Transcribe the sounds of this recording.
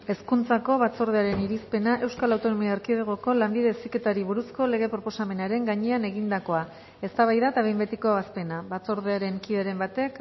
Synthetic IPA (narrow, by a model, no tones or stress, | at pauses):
e̞skunt͡sako̞βat͡so̞ɾð̞eaɾe̞niɾispe̞naʔe̞wskalawt̪o̞no̞miaeɾkiðeɣoko̞lambiðe̞sike̞t̪aɾiβuɾusko̞le̞ɣ̞e̞pɾo̞po̞same̞naɾe̞ŋɡaɲeane̞ɣind̪ako̞a | e̞st̪aβajðat̪aβe̞jmbe̞t̪iko̞aβaspe̞naβat͡so̞ɾðe̞aɾe̞ŋkiðeɾe̞mbat̪e̞k